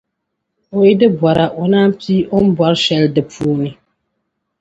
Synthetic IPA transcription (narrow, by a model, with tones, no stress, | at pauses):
ʊ˨jɪ˦dɨ˦bɔ˨ɾa˨ʔʊ˨naː˦m˦pʰiː˦ʔʊ˦m̩˦bɔ˦ɾʃɛ˦ldɨ˨pʰuː˦nɨ˦